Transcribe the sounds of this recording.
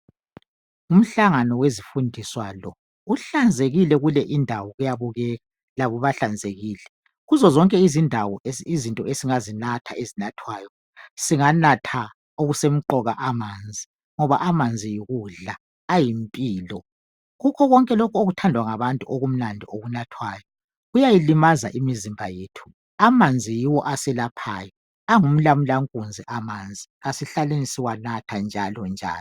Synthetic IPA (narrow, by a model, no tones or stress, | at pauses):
um̩ɬaŋanɔwezifundʱiswalɔ | uɬand͡zʱeɣilɛɣulɛʔindʱawɔɣujaβuɣɛːɣa | laβɔβaɬand͡zʱeɣiːlɛ | ɣuzɔzɔŋkʼɛizindʱawɔizintʼɔesiŋazinatʰaezinatʰwaːjɔ | siŋanatʰa | oɣusem̩ǃɔɣaʔamand͡zʱi | ŋɔβa̰ʔamand͡zʱijiɣuɮaː | jimpʼiːlɔ | ɣukʰɔɣɔŋkʼɛlokʰuoɣutʰandʱwaŋaβantʼuʔoɣum̩nandʱioɣunatʰwaːjɔ | ɣujajilimaza̰ʔimizimbʱajeːtʰu̥ | amand͡zʱijiwɔ̰ʔasɛlapʰaːjɔ | aŋum̩lamulaŋkʼund͡zʱiʔamand͡zʱiasiɬalenisiwanatʰand͡ʒʱalɔnd͡ʒʱa̰ːlɔ